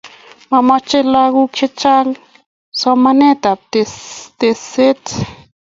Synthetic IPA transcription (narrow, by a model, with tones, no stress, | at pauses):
ma˧ma˧t͡ʃe˦la˧ɣu˦kʃe˦t͡ʃa˦ŋ | sa˧ma˧ne˦t̪a˨p̚t̪e˧t̪e˧se˦t͡s